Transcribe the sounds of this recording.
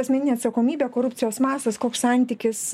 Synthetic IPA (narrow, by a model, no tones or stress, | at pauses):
ɐsmʲɛnʲɪnʲeɛɐt̪sɐkoːmʲiːbʲeːkoːɾʊpʲt͡sʲɪjoːsmɑːsɐskoːkssɑˑnʲt̪ʲiːkʲɪs